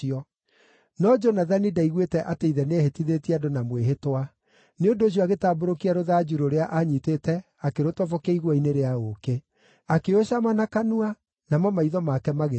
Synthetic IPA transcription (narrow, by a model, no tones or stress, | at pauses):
ɔ | nɔd͡ʒɔnaðanidaiɣwetɛʔateiðɛneehetiðetiadonamweɦetwa | neondoːɕ̬jɔaɣetaːboɾokiaɾoðaːd͡ʒuɾoɾeaʔaɲitetɛ | akeɾotɔvɔkeiɣwɔineɾeaoke | akeoɕamanakanua | namɔmaiðɔmakɛmaɣe